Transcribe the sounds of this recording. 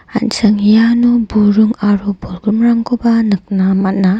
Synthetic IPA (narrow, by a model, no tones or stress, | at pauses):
a̰nsɯŋjanubuɾuŋaɾubɔɾɡɾɯmɾaŋkobanɯk̚namana